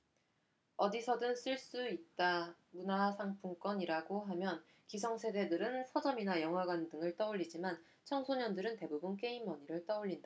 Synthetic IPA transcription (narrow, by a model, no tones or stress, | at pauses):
ʌdisʰʌdɯns͈ɯɭs͈uit̚t͈a | munasʰaŋpʰuŋk͈wʌɲiɾaɡoɦamjʌn | kisʰʌŋsʰe̞de̞dɯɾɯnsʰʌd͡ʑʌminajʌŋɦwaɡwandɯŋɯɭt͈ʌuʎːid͡ʑiman | t͡ɕʰʌŋsʰoɲʌndɯɾɯnte̞bubɯnk͈e̞imːʌɲiɾɯɭt͈ʌuɭʎːinda